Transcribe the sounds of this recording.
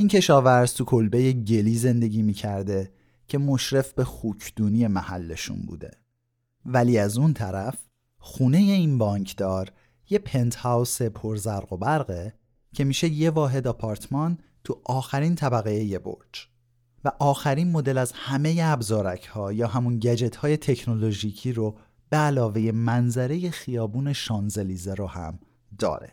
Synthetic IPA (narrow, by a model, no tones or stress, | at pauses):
ʔincʰe̞ʃɒːvæɾz̥t̪ʰukʰo̞lbe̞jeɟeliːze̞nd̪e̞ɟʲiːmiːcʰæɾd̪e̞ | cʰe̞mo̞ʃɾe̞fbe̞xuːcʰd̪̥uːnije̞mæhælːe̞ʃṵnbṵːd̪e̞̰ | væliːæzunt̪ʰæɾæf | xuːne̞je̞inbɒːɲcʰd̪ɒːɾ | je̞pʰe̞nt̪hæwse̞pʰo̞ɾzæɾɣo̞bæɾɣe | cʰe̞miːʃe̞je̞vɒːɦe̞d̪ɒpʰɒɾt̪ʰmɒnt̪ʰuʔɒːxæɾiːnt̪ʰæbæɣejeje̞bo̰ɾd͡ʒ | væʔɒːxæɾinmo̞d̪e̞læzhæme̞jeæbzɒːɾæcʰhɒːjɒːhæmunɟæd͡ʒe̞t̪ʰhɒːje̞t̪ʰe̞cʰno̞lo̞ʒiːcʰiːɾo | b̥eælɒːve̞je̞mænzæɾe̞je̞xijɒːbuːne̞ʃɒːnze̞liːzeɾohæ̰m | d̪ɒ̰ːɾḛ